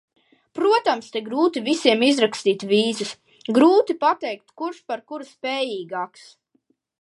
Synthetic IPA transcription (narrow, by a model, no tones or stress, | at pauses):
pɾuɔt̪amst̪ʲeɡɾuːt̪ivisiɛmizɾakst̪iːt̪viːzɨs | ɡɾuːt̪ipat̪ɛjk̚t̪kuɾʃpaɾkuɾspʲɛːjiːɡaːks